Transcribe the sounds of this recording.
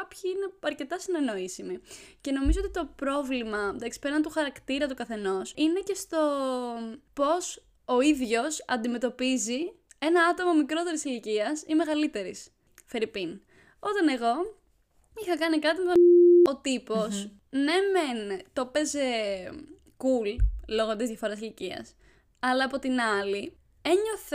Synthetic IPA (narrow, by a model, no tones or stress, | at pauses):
ɐpçiine̞ɐɾce̞t̪ɐsine̞no̞isimice̞no̞mizoot̪it̪o̞pɾo̞vlimɐmed̪ɐksi̥peɾɐnet̪uxɐɾɐkt̪iɾɐt̪ukɐθe̞no̞sine̞ce̞st̪o̞ | po̞s | oiðʝo̞sɐ̰nd̪ime̞t̪o̞pizi | e̞nɐɐt̪o̞mɐmikɾo̞t̪e̞ɾisiliciɐsime̞ɣɐlit̪e̞ɾis | fe̞ɾipin | o̞t̪ɐne̞ɣo̞ | ixɐkɐnikɐt̪imet̪oot̪ipo̞s | nement̪o̞pe̞ze̞ | kullo̞ɣot̪izðjɐfo̞ɾɐsiliciɐ̰s | ɐlɐːpot̪inɐli | e̞ɲo̞θ